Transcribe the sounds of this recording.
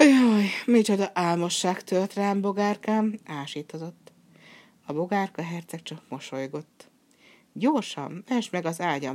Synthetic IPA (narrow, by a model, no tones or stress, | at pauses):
ojmit͡ʃod̪ɒʔaːlmo̞ʃːaːkt̪øːt̪raːmbo̞ɡaːrkaːmaːʃiːt̪ozo̞t̪ː | ɒbo̞ɡaːrkɒɦɛrt̪sɛk̚t͡ʃɒkmo̞ʃo̞jɡo̞t̪ː | ɟorʃɒ̰mɛʃmɛɡɒzaːɟɒm